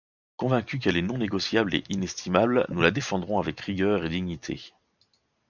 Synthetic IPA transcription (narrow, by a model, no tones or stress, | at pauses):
kɔ̃vɛ̃kʲyk̬ɛlɛnɔ̃neɡɔsjablḛʔinɛst̪ʰimablnulad̪efɑ̃d̪ʁɔ̃avɛkʁiɡœːʁed̪iɲit̪ʰḛ